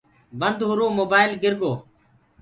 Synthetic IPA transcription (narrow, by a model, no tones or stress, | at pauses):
bənd̪ɦʊɾoːmoːbaːɪlɡɪɾɡoː